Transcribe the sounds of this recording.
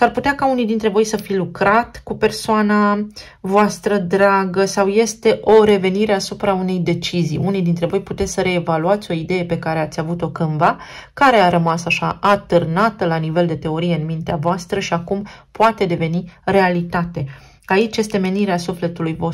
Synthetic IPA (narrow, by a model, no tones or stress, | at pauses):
sarput̪eakaunijd̪int̪ɾe̞vo̞jsəfijlukɾat̪kupe̞rsoana | voast̪ɾəd̪ɾaɡəsawje̞st̪e̞ʔo̞ɾe̞ve̞niɾe̞asupɾaune̞jd̪e̞t͡ʃizḭjunijd̪int̪ɾe̞vo̞jput̪e̞t̪sʲsəɾe̞ːvaluat̪sʲo̞id̪e̞je̞pe̞kaɾe̞at̪sʲavut̪o̞kɨnvakaɾe̞aɾəmasaʃaat̪ɨrnat̪əlanive̞ld̪e̞t̪e̞o̞ɾije̞ɨnmint̪eavoast̪ɾəʃiakumpoat̪e̞d̪e̞ve̞nire̞alit̪at̪e̞ | ait͡ʃʲje̞st̪e̞me̞niɾeasufle̞t̪ulujvo